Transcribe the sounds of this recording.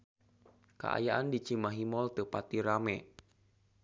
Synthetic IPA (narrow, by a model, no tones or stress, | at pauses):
ka̰ʔa̰jaʔandit͡ʃimaɦimɔlt̪əpat̪iɾamɛ